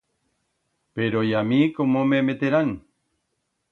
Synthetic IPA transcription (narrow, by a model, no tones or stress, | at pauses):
peɾojamikomomemet̪eɾan